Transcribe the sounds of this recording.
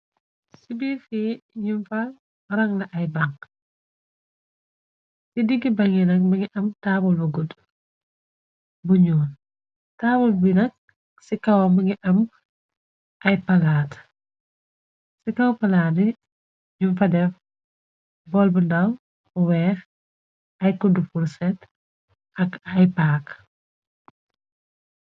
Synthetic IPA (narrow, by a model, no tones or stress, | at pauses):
sibifiɲumfɐ | ɾɐŋlɐʔɐjbaŋ | sidiɡibɐŋinɐk̚mɐŋiʔɐmtaːbulbuɡud | buɲuːn | taːbulbinɐk̚ | sikɐwmɐŋiʔɐm | ʔɐjpɐlaːt | sikɐwpɐlaːdi | junfɐdɛf | bɔlbundɐw | wɛːx | ɐjkudufuɾsɛt | ʔɐkɐjpaːk